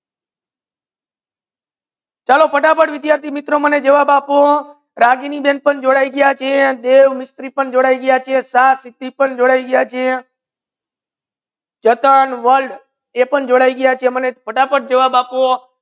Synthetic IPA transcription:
t͡ʃalopʰəʈapəɽʋɪd̪jaɾt̪ʰimɪt̪ɾoməned͡ʒəʋabapo | ɾaɡiniben̚pəɳd͡ʒoɽaiɡəjat͡ʃʰed̪eʋmɪst̪ɾipəɳd͡ʒoɽaiɡəjat͡ʃʰesasɪt̪ːipəɳd͡ʒoɽaiɡəjat͡ʃʰe | d͡ʒət̪ənʋəlɖ | epəɳd͡ʒoɽaiɡəjat͡ʃʰemənepʰəʈapəɽ̚d͡ʒəʋabapo

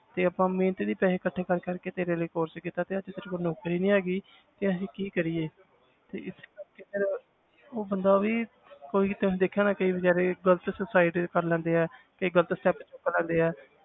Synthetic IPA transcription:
t̪eːəpãːmẽːnət̪id̪iːpɛːɦeːkəʈʰːeːkəɾkəɾkeːt̪eːɾeːleːkoːɾskit̪aːt̪eːəd͡ʒt̪eːɾeːkonoːkɾiːnĩːaːɡiː | t̪eəsĩːkiːkəɾiːeː | t̪ḛːɪskəɾkeːt̪eɾ | oːbənd̪aːʋiː | koːiːt̪ːd̪eːkʰːjaːnaːkəiːbəd͡ʒaːɾeːɡələt̪səsaːɪɖkəɾlɛ̃ːnd̪eːɛː | kəiːɡələt̪sʈɛːpt͡ʃokːlɛ̃ːnd̪eːɛː

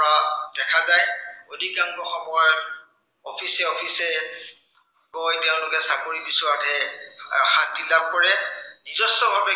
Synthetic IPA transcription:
ɔɹadɛkʰazajodʱikaŋɡɔxɔmɔjɔ | ɔpʰisɛɔpʰisɛ | kɔjteʊ̃lʊkɛsakoɹibisʊadʰʱɛ | xantilab̚kɔɹɛnizɔstɔbʱapɛ

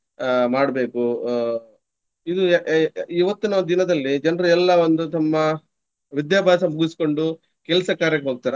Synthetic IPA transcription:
maːɽbe̞ːku | id̪u | iʋɐt̪ːinɐʋond̪d̪inɐd̪ɐlːid͡ʒɐnɾiɛlːɐʋond̪ut̪ɐmːɐ | ʋid̪jaːbʱaːsɐmuɡisi̥ko̞ɳɖu | kɛlsɐkaːɾjɐkeɦoːɡ̚ut̪aːɾe

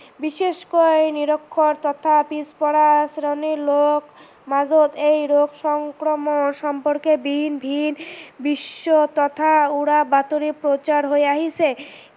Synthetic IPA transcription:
biʃeʃkojniɾokʰːoɾt̪ɔt̪ʰapispɔɽasɾonilok | mad͡ʑod̪ejɾoɡʃɔŋkɾomonʃɔmpoɾkebʱinbʱinbiʃːot̪ɔt̪ʰauɽabat̪oɾipɾot͡ɕaɾɦoeaɦisʰe

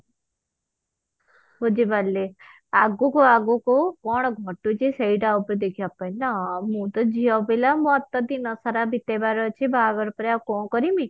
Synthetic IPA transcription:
ɦod͡ʒibʱalːe | aɡukoaɡukokɔɽ̃ɔɡʱɔʈut͡ʃeseiɖaupɾd̪ekʰiapanamũt̪ɔd͡ʒiɔbelamũɔt̪ːɔd̪inɔsaɾabʱit̪ebaɾɔt͡ʃʰibʱaɡɔɾpɔɾeakɔ̃kɔɾimi

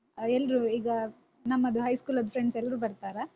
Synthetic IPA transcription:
ɛlːɐɾuiːɡɐ | nɐmːɐd̪uɦɐjskuːlɐd̪pʰɾeɳɖsɛlːɐɾuːbɐɾt̪aːɾɐ

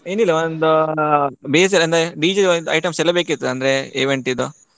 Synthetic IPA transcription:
eːnilːɐond̪u | beːs̬ɐlɐnd̪ɾeɖiːd͡ʒeond̪ɐ̰jʈɐmsɛlːɐbeːkit̪ːuɐnd̪ɐɾeeːʋeɳʈid̪u

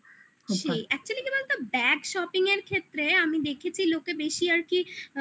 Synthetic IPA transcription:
ʃejʔɛk̚t͡ɕualikebalt̪obɛɡʃɔpiŋeɾkʰet̪ːɾeamid̪ekʰet͡ɕʰilokebeʃiaɾki

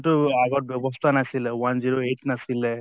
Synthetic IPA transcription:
ʈuaɡɐʈʋɛʋɐst̪ʰanɐsilːeʋɐnd͡ʒiɾoeʈnɐsilːe

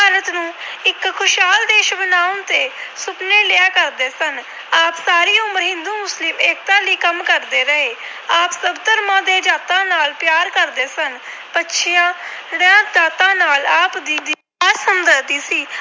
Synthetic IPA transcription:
aːɾət̪nũːɪkkʰʊʃɦaːld̪eːʃbənaːnt̪eːsʊpneːlɪaːkəɾd̪eːsən | aːpsaːɾiːʊməɾɦɪnd̪uːmʊslɪmeːk̚t̪ãːliːkəmkəɾd̪eːɾəɦeː | aːpsəbt̪əɾmãːd̪eːd͡ʒaːt̪ãːnaːlpjaːɾkəɾd̪eːsən | pətːʃʰɪjãːɽjãːd̪aːt̪ãːnaːlaːpd̪iːd̪iː | aːsəmd̪əɾd̪iːsiː

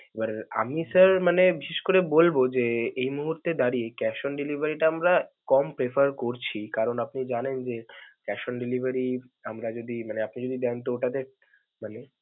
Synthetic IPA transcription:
ebaɾa̰misəɾmanebiʃeʃkoɾebolbod͡ʑeejmuɦuɾt̪ed̪aɾijekɛʃonɖilibʱaɾiʈaamɾakɔmpɾefaɾkoɾt͡ɕʰikaɾonapnid͡ʑanend͡ʑekɛʃonɖilibʱaɾiamɾad͡ʑod̪imaneapnid͡ʑod̪id̪ɛnt̪ooʈat̪eɾ | mane

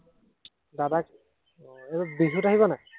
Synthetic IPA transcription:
dadak | ebabiɦutaɦiβɔna

